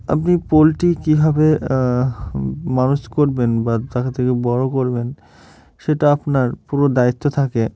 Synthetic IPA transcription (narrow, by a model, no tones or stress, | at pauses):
a̰pnipolʈikibʱabe | manuʃkoɾbenbat̪akʰat̪ʰekebɔɾokoɾben | ʃeʈaapnaɾpuɾod̪ait̪ːot̪ʰake